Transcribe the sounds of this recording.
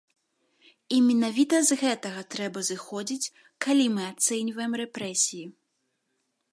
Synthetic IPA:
imʲɛnavʲit̪ɐzɣɛt̪ɐɣɐt̪ɾɛbɐzɨxɔd͡zʲit͡sʲ | kalʲimɨat̪sɛnʲvɐjɛmrɛpɾɛsʲiji

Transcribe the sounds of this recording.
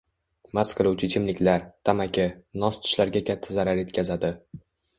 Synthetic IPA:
masqʰɨɾˠuwt͡ʃʰɪt͡ʃʰɪmlɪkʲlaɾt̪ʰamakʲʰɪnɒst̪ʰʊ̥ʃlaɾɡʲakʲat̪ʰːazaɾaɾje̞t̪kʲʰazad̪ɪ

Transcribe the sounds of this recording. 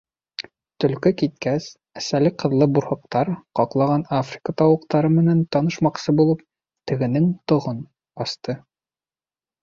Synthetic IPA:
t̪ɵ̆lkɘkit̪̚kæs | æsælɘqɤ̆ðlˠɤbuɾhɤ̆q̚t̪ɑɾqɒqlˠɑʁɑnafrʲɪkət̪ɑwɤ̆qt̪ɑɾɤmɘ̆nænt̪ɒnɤ̆ʃmɑqsɤbulˠɤp̚ | t̪ɘ̆ɡɘ̆nɘŋt̪ŏʁɤn | ɒst̪ɤ

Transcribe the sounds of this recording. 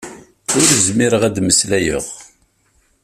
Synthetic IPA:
ʊɾzmiɾəʁæd̪məslæjə̰ʁ

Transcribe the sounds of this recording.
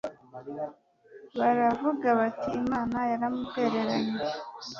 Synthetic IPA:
βaɾavuɡaβatʰiːmaːnajaɾamute̞ɾe̞ɾaɲe

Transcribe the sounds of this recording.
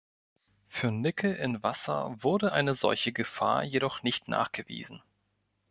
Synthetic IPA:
fyːɐnɪkʰəʔɪnvasɐ̰vʊɐdəʔaɪnəzɔ̰lçəɡəfa̰ːɐjeɾɔχnɪçtna̰ːχɡ̥əvḭːzn̩

